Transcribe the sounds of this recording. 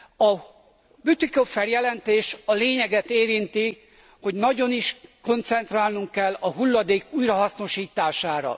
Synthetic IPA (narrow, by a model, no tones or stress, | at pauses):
ɒ | byt̪ikofːɛrjɛlɛnt̪eːʃɒleːɲɛɡɛt̪eːɾint̪i | ho̞ɟnɒɟo̞niʃko̞nt̪sɛnt̪raːlnuŋkːɛlːɒɦulːɒd̪eːkuːjrɒɦɒsno̞ʃiːt̪aːʃaːɾɒ̰